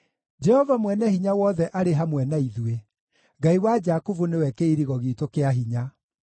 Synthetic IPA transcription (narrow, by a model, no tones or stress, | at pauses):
d͡ʒɛhɔvamwɛnɛhiɲawɔðɛʔaɾeɦamwɛnaiðue | ɡaiwad͡ʒakuvunewɛkeiɾiɣɔɣiːtokeaɦiɲa